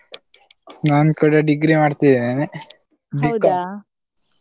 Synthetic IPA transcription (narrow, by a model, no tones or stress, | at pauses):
naːnkuːɽaɖiɡɾimaːɖt̪id̪enene | ɖi